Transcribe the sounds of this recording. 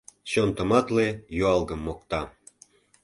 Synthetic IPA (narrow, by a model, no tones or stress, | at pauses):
ɕont̪ə̆mɑt̪lejuɑlɡə̆mːok̚t̪ɑ